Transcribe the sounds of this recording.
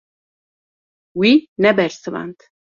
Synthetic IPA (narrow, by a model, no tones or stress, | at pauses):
winɛbɛɾsəva̰nt̪ʰ